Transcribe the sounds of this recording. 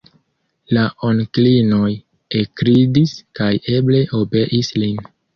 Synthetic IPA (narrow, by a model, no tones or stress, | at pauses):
laʔonklino̞j | ekɾidiskaje̞ble̞ʔo̞be̞ʔislin